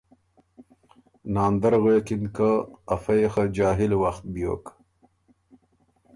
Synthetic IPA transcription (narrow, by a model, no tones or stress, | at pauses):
nɑːnd̪aɾɣeːkinkəːfajxad͡ʒɑːɦilwaxt̪̚bjo̰ːk